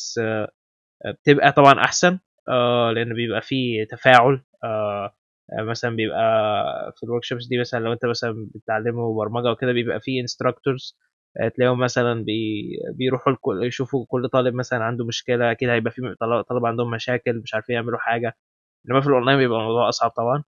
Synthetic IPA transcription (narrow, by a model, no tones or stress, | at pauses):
s | bet̪ebʔæt̪ˤɑbʕɑnʔa̰ħsæn | ʔæleʔenːbejebʔæfiːt̪æfæːʕol | ʔæ | mæsælæmbejebʔæfilwoɾkʃopsd̪iːmæsælænlæwʔent̪æmæsælænbet̪ʕalːemubɑɾˤmɑɡæweked̪æbejebʔæ̰fiːʔenst̪ɾˤɑkt̪oɾz̥ | ʔt̪ælæhomːæsælænbebejɾuːħulkojeʃuːfukolːt̪ˤɑːleb̚mæsælænʕand̪omoʃkelæʔækid̪æhæjebʔæfit̪ɑlɑt̪ˤɑlɑbʕand̪ohomːæʃæːkelmeʃʕaɾfiːjeʕmeluħaːɡæ | ʔenːæmæfilʔɑnlɑjnbejebʔæmɑwd̪ˤuːʕʔɑsˤʕɑb̚t̪ˤɑbʕɑn